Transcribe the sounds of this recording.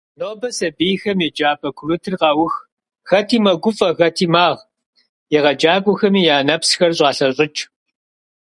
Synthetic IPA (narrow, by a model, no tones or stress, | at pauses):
noːbɐsɐbijxɐmjɛd͡ʒaːpʼɐkʷʰʊrɨtʰɨrqɑwʊx | ɣ̥ɐtʰiːmɐɡʷʊfʼɐɣɐtʰiːmaːʁ | jɛʁɐd͡ʒaːɡʷʼʊxɐmiːjaːnɐpsxɐrɕʼɑːɬɐɕʼɪt͡ʃʼ